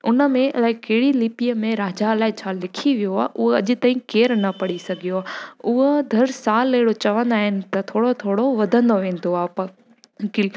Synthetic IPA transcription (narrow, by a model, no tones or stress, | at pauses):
ʊnə̆mẽɐlaːɪkeɽilipijəmẽɾaːd͡ʑaəlaːɪt͡ɕʰaːlɪkʰiʋijoaːʔʊɦeɐʄɪ̆t̪aːĩkeːɾnɐpɐɽisɐɡʱijoaːʊɦod̪ʱɐɾsaːlːɐɦɪɽot͡ɕɐʋə̃nd̪aːɦɪnɪ̆t̪ɐt̪ʰoːɽot̪ʰoːɽoʋɐd̪ʱə̃nd̪oʋẽːn̆d̪oaːpɐ | kɪl